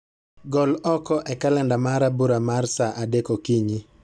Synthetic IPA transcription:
ɡɔlɔkɔʔɛkalɛndamaɾabuɾamarsaʔadekokiɲi

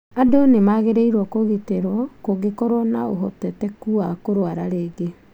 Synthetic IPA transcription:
adoonemaɣeɾeiɾwɔkoɣeteɾwɔkoɡekɔɾɔnaoɦɔ̰tɛtɛkuakoɾwaɾaɾeːɡe

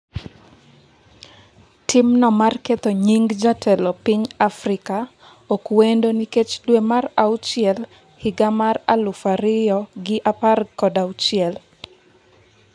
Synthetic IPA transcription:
tʰɪmnɔmarket̪oɲiŋɡd͡ʒatʰɛlɔpiɲafrɪka | okwendoniket͡ʃdwemaraʊt͡ʃɪɛl | hɪɡamara̰lʊfaɾɪjɔɡɪʔaparkɔdawt͡ʃɪɛl

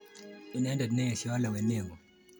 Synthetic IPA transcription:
inaɛndadinɛɛsiwalawɛnɛŋɡɔ

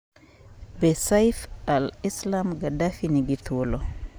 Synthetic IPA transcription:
bɛsajfalislamɡadafiniɡit̪wɔlɔ

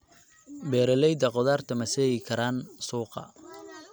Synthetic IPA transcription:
bɛːɾɐlɛjd̪ɐqɔðaːrt̪ʰɐmɐsɛɣɪkʰɐɾaːnsuːqɑ̰

